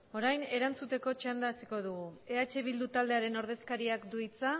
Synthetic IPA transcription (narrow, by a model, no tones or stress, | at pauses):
o̞ɾajne̞ɾant͡sut̪e̞ko̞t͡ʃand̪aːsiko̞ð̞uɣue̞at͡ʃe̞β̞ild̪ut̪ald̪e̞aɾe̞no̞ɾð̞e̞skaɾiakd̪uit͡sa